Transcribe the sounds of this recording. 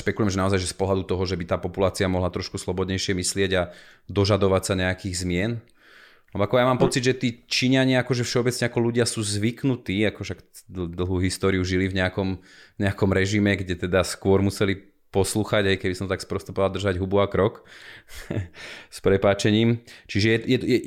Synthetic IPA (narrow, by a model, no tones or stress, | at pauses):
ʃpɛkulujɛmʒɛnaɔzajʒɛspɔɦlad̪ut̪ɔɦɔʒɛbit̪aːpɔpulaːt͡siamɔɦlat̪ɾɔʃkuslɔbɔd̪ɲɛjʃɪɛmislɪɛɟa | d̪ɔʒad̪ɔʋacsaɲɛakiːɣzmɪɛn | lɛbɔakɔjamaːmpɔt͡sid̪ʒɛt̪iːt͡ʃiɲaɲɪaakɔʒɛfʃɛɔbɛt͡sɲɛakɔluɟɪasuːzʋiknut̪iːakɔʃakd̪d̪l̩ˠɦuːɦist̪ɔːɾiuʒilivɲɛakɔmɲɛakɔmɾɛʒimɛɡɟɛt̪ɛd̪askʊɔɾmusɛli | pɔsluːxaɟɦajkɛbisɔmt̪akspɾɔst̪upɔʋald̪r̩ʒaɟɦubuakɾɔk | spɾɛpaːt͡ʃɛɲiːmt͡ʃiʒɛjɛjɛjɛ